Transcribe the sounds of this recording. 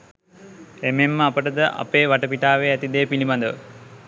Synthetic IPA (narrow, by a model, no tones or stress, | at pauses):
ememːəapəʈəd̪əʔa̰peːʋaʈəpiʈaːʋeːæt̪id̪eːpiliband̪əʋə̰